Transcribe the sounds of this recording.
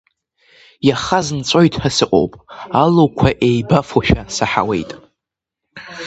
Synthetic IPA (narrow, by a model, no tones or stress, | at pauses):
jaχaznt͡sʷʼojtʼħəsɨqʼo̞̰wpʼalowkʷʰaʔejbafoʃᶣasaħa̰we̞̰jtʼ